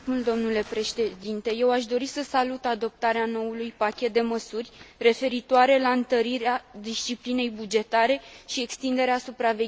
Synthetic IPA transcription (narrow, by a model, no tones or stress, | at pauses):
uld̪o̞mnule̞pɾe̞ʃed̪int̪e̞je̞waʃ̬d̪o̞ɾisəsalut̪ad̪o̞p̚t̪aɾeano̞ulujpakʲe̞t̪̚d̪e̞məsurʲre̞fe̞ɾit̪oaɾe̞laɨnt̪əɾiɾead̪ist͡ʃipline̞jbud͡ʒe̞t̪aɾe̞ʃie̞kst̪ind̪e̞ɾeasupɾave̞